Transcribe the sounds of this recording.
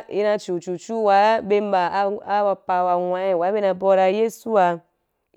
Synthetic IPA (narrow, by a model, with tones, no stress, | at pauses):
ḭ˧na˧t͡ʃu˨t͡ʃu˨t͡ʃu˦wa˨˦be˧m˦ba˨˦a˦a˧pa˧wa˧wa˧˦i˨wa˨˦be˦na˧bɔ˧ɾa˧je˦su˦a˧